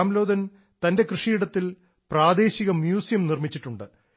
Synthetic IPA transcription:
mlo̞ːd̪ɐn | t̪ɐnde̞krɨʂiiɽɐt̪ːil | praːd̪e̞ːɕiɣɐmjuːsijɐmnirmit͡ɕːiʈːuɳɖɨ

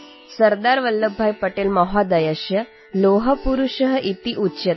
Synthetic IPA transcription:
səɾd̪aɾʋəlːəbʱːajpəʈeːlməɦad̪əjəʃjə | loɦəpuɾuʃəɦəʔit̪iʔutːɕət̪

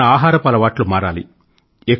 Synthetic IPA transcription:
ɐaːɦaːɾɐpɐlɐʋaːʈlumaːɾa̰ːlḭ | ek

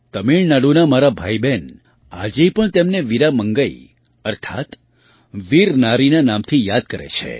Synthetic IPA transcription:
t̪əmiɭnaɽunamaɾabʱaiben | a̰d͡ʒepəɳt̪emneʋiɾaməŋɡəi | əɾt̪ʰa̰t̪ | ʋiɾnaɾinanamt̪ʰijad̪̚kəɾḛt͡ʃʰḛ

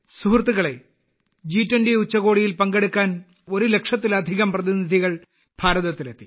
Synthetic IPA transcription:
suɦrt̪ːuɣɐɭe̞̰ | d͡ʑiːtːwɐndeut͡ɕːɐɣo̞ːɽijilpɐŋɡe̞ɽukːaːn | o̞ɾule̞kʂɐt̪ːilɐd̪ʱiɣɐmprɐðinid̪ʱiɣɐɭ | b̥ʱaːɾɐðɐt̪ːilɐt̪ːi

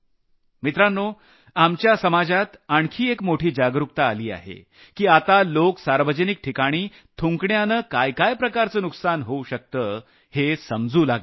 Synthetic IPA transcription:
mit̪ɾanːo | amt͡ɕjasəmad͡ʑat̪aɳkʰiːekmoʈʰiːd͡ʑaɡɾuk̚t̪aːliːa̰ɦḛ | kiːat̪aloksaɾʋəd͡ʑənik̚ʈʰikaɽ̃iː | t̪ʰuŋkɳjanəːkajkajpɾəkaɾt͡səːnuksanɦouɕək̚t̪əː | hesəmd͡zuːlaɡ

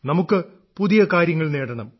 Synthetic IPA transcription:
nɐmukːɨ | puðijɐkaːɾjɐŋːɐɭneːɽɐɳɐm

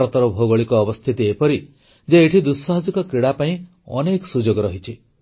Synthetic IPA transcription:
ɾɔt̪ɔɾɔbʱoɡɔɭikɔːbɔst̪ʰit̪iepɔɾi | d͡ʒeeʈʰid̪usːɔɦɔd͡ʒikɔkɾiɽapaĩ | ɔ̰neksud͡ʒoɡɔɾɔɦit͡ʃʰi

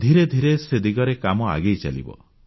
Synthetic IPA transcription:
d̪ʱiɾed̪ʱiɾesed̪iɡɔɾekamɔa̰ɡejt͡ʃa̰lḭbɔ̰

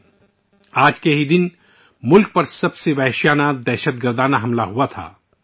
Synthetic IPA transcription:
aːd͡ʒkeɦid̪ɪn | mʊlk̚pɐɾsɐbseʋɛɦʃjaːnad̪ɛːʃət̪ɡəɾd̪aːnaɦɐmlaɦuat̪ʰa̰ː

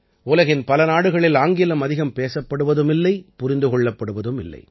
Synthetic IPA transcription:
uːlɐɣɪnpɐlɐnaːɽɯɣɐɭɪlaːŋɡɪlɐmɐðɪɣɐmpeːsɐpːɐɽɯʋɐðɯmɪlːɐɪpʊɾɪnd̪ɯkɔɭːɐpːɐɽɯʋɐðɯmɪlːɐ̰ɪ

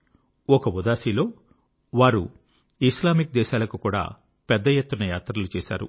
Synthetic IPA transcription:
ɔkɐʋud̪aːsilo̞ː | ʋaːɾu | islaːmik̚d̪ɛːʃaːlɐkukuːɽa̰ː | pɛd̪ːɐjet̪ːunɐjaːt̪ɾɐlut͡ʃɛːʃa̰ːɾṵ

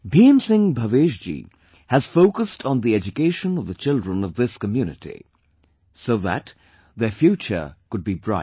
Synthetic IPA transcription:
biɛ̃msɪ̃ŋbʱəveʒd͡ʒḭ | hɨz̥foʊkəstʰn̩ðiɛd͡ʒɨkeɪʃə̃nʌvðət͡ʃɪlˠdɹə̃nʌvðɪskəmjʉnɨtḭ | soʊðæ̰t | ðə˞fjʉt͡ʃə̰˞kʊd̚bibɹaɪ

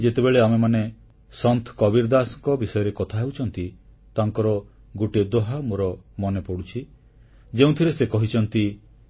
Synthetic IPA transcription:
d͡ʒet̪ebeɭeamemane | sɔnt̪ʰkɔbiɾd̪asɔŋkɔbisɔjɔɾekɔt̪ʰaɦewt͡ʃʰɔnt̪i | t̪aŋkɔɾɔ | ɡuʈed̪oɦamoɾɔmɔnepɔɽut͡ʃʰi | d͡ʒeũt̪ʰiɾesekɔɦit͡ʃʰɔnt̪i

